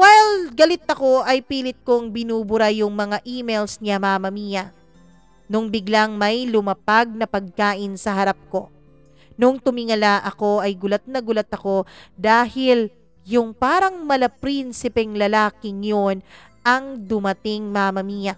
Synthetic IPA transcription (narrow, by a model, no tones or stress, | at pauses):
wajlɡɐlɪt̪ːɐko̞ʔɐjpiːlɪt̪̚koŋbɪnuːbʊɾajʊŋmɐŋaʔiːmejlsɲamamɐmiːjɐ | nʊŋbɪɡlaŋmɐjlʊmɐpaɡ̚nɐpɐɡ̚kaːʔɪnsɐɦɐɾap̚ko̞ | nʊŋt̪ʊmɪŋɐlaʔɐko̞ʔɐjɡʊlat̪̚nɐɡʊlɐt̪ɐko̞d̪aːhɪl | jʊŋpaːɾɐŋmɐlɐpɾinsɪpɛŋlɐlaːkɪŋjon | ʔɐŋd̪ʊmɐt̪ɪŋmamɐmiːjɐ